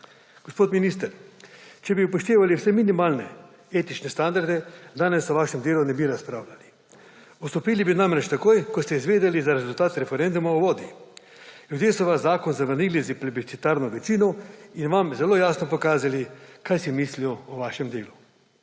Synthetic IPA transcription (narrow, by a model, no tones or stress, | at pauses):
ɡ̥ospoːt̪minist̪əɾt͡ʃɛbiupɔʃt̪eːʋaliwsɛminimaːlnɛ | eːt̪it͡ʃnɛst̪and̪aɾd̪ɛd̪aːnɛsɔʋaːʃɛmd̪eːlunɛbiɾaspɾaːwlʲali | ɔst̪ɔpiːlibinamɾɛt͡ʃt̪akoːjkɔst̪ɛizʋeːd̪ɛlizaɾezult̪aːt̪ɾɛfɛɾend̪umauʋoːd̪i | ljud̪jeːsɔʋaszaːkɔnzaʋəɾniːliziplibit̪sit̪aːɾnɔʋɛt͡ʃiːnɔinʋamzɛloːjaːsnɔpɔkaːzalikajsimislijɔɔʋaːʃɛmd̪eːlu